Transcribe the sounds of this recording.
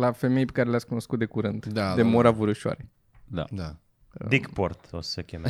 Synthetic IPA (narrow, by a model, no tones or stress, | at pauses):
lafe̞mejpe̞kaɾelejaskuno̞skut̪̚d̪e̞kuɾɨnd̪d̪ad̪emoɾavuɾuʃoa̰ɾe | d̪a̰d̪a | d̪ikport̪osəkʲem